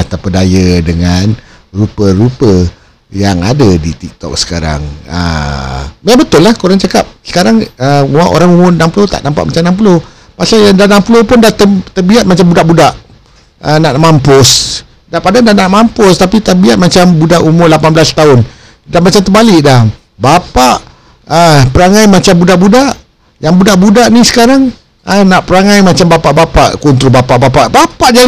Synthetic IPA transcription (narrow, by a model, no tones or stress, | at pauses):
at̪apədajədəŋan | rupəɾupə | jaŋadədit̪ik̚t̪ɔ̰k̚sə̥kaɾa̰ŋə̰ | mabət̪ʊlːahkuɾaŋt͡ʃakap̚sə̥kaɾaŋəmuaʔo̰ɾaŋumʊrnãmpulot̪a̰ʔnampaʔmat͡ʃamnamp̬ulo | pasaandanampulopʊndaht̪ət̪əbiat̪̚mat͡ʃambudaʔbudaʔ | ənaʔmampʊs | dapadandanaʔmampʊst̪apit̪aʔbiat̪̚mat͡ʃambudaʔumʊrlapanblast̪aʊn | damat͡ʃamt̪əbalɪʔdah | bapaʔ | əpəɾaŋajmat͡ʃambudaʔbudaʔ | jaŋbudaʔbudaʔnisə̥kaɾaŋ | ənaʔpəɾaŋajmat͡ʃambapaʔbapa̰ʔkunt̪ɾobapaʔbapaʔbapaʔd͡ʒa